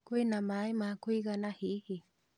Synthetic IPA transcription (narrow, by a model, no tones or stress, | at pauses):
kuenamajmakuiɣanahihi